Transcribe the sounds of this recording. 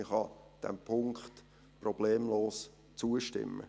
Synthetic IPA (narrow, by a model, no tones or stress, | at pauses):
ɪχhɑd̥ɛ̰mpʰʊŋkχt | prɔb̥leːmloːs | t͡suəʃtɪ̰mːə̰